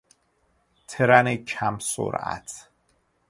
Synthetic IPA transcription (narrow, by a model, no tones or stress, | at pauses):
t̪ʰeɾanekʰamso̰ɾa̰t̪ʰ